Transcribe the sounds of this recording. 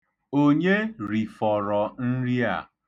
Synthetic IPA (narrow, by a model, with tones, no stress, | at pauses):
o˦ɲe˦ɾi˨fɔ˨ɾɔ˨n̩˦ɾi˦a̰˨